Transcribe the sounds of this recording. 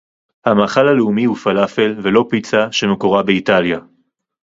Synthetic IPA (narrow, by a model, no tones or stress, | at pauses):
hamaːχalaleumihufalafe̞lve̞lo̞pit͡saʃe̞mekoʁabeitalja